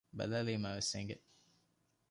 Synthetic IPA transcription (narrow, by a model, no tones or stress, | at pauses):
bɐ̰læːleːmæːʋeseŋɡe